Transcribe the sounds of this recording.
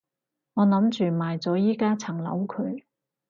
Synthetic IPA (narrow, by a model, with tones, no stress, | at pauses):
ŋɔː˨˧nɐ˨˥mt͡ʃyː˨˩maː˨jt͡sɔː˨˥jiː˥kaː˥t͡sʰɐ˨˩ŋlɐ̰˨˥wkʰɵ˨˧˥ɥ